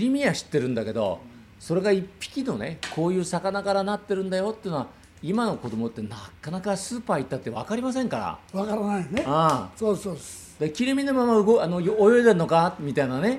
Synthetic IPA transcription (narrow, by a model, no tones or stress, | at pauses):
ɾʲimʲiaɕi̥t̪ːe̞ɾɯ̟̃nd̪ake̞d̪o̞̰ | so̞ɾe̞ɡaipʲːi̥kʲino̞ne̞kʰo̞ːjɯ̟ːsakanakaɾanat̪ːe̞ɾɯ̟̃nd̪ajo̞t̪ːeiɯ̟noa | imano̞ko̞d̪o̞mo̞t̪ːe̞nakanakasɨːpaːit̪ːat̪ːe̞βa̰kaɾʲimas̬ẽ̞ŋkaɾa̰βakaɾanaineɯ̃soːsoːds | d̪akʲiɾʲimʲinomamaɯ̟ɡoano̞joːjoid̪eɾɯno̞kamʲit̪ainane̞